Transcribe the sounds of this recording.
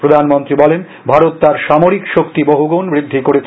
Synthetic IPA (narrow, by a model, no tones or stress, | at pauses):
pɾod̪ʱanmont̪ɾibɔlen | bʱaɾot̪ːaɾʃamoɾikʃokt̪iboɦuɡonbɾid̪ʱːikoɾet͡ɕʰ